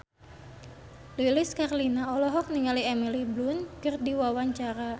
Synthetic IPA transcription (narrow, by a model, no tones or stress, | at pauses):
lilɪskarlinaɔlɔɦɔk̚niŋaliɛmiliblunkərdiwawaɲt͡ʃaɾa